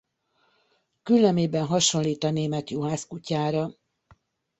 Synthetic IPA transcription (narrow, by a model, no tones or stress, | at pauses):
kylːɛmeːbɛnɦɒʃo̞nliːt̪ɒneːmɛt̪juɦaːskucaːɾɒ